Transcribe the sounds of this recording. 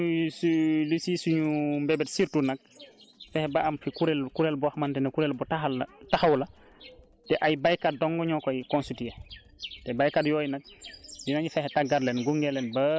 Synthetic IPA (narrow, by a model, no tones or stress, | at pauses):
slusisuɲumbɛbɛtsiɾtunak̚fɛhɛbaʔamfikuɾɛlkuɾɛlbɔaxmantɛnɛkuɾɛlbɔtaxaltaxawla | tɛʔajbajkat̚dɔŋɡɔɲɔkɔjkɔnsutia | tɛbajkatjɔːjnak̚dinaɲifɛhɛtaɡːaɾlɛnɡuŋɡɛlːɛnbɐ